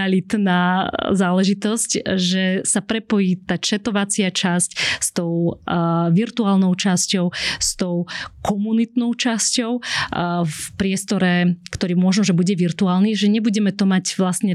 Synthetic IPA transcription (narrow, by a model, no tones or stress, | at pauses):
alit̪naːzaːlɛʒit̪ɔscʒɛsapɾɛpɔjiːt̪aːt͡ʃɛt̪ɔʋat͡sɪat͡ʃascst̪ɔʊ | ʋiɾt̪uaːlnɔʊt͡ʃascɔʊst̪ɔʊkʰɔmunit̪nɔʊt͡ʃascɔʊ | fpɾɪɛst̪ɔɾɛkt̪ɔɾiːmʊɔʒnɔʒɛbuɟɛʋiɾt̪uaːlniʒɛɲɛbuɟɛmɛt̪ɔmacʋlasɲɛ